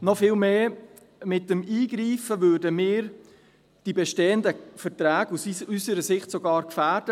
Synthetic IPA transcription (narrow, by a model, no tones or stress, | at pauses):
nɔfɪːlmeː | mɪtːəmiːɡɾiːfəʋøːɾdəmɪːɾ | d̥ibɛʃteːəndəfəɾtɾæːɡ̥usysəɾəsɪχtsɔɡɑːɾkfæːɾd̥ə